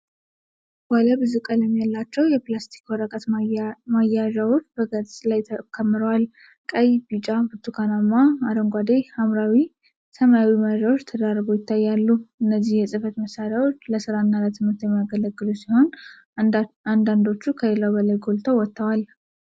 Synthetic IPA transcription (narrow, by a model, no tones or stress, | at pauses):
waləbɨzukʼələmjalːat͡ʃːɛwjɛplast̪ʰi̥kwɔɾəkʼət̪majaʒawo̞t͡ʃːbəɡət͡sʼlajt̪ʰəkʰːəmːɨɾəwal | kʼəjbit͡ʃʼabɨt̪ʰːukʰanamːaaɾəŋɡʷad̪ehamɾawi | səmajawiməɾawo̞t͡ʃːt̪ʰəd̪aɾbojɪt̪ʰːajːalːuɨnːəzːihjɛsʼɨfət̪məsaɾjawot͡ʃːləsɨɾaɨnːalət̪ʰɨmɨɾt̪jɛmːijaɡələɡːɨlusiho̞n | and̪and̪o̞t͡ʃːukʰəjelawbəlajɡo̞lt̪ʰəwɔt̪ʰːəwal